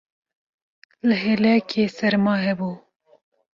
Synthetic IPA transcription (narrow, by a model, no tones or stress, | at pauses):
lɨɦelɛkʰeːsɛɾmɑːɦɛbuː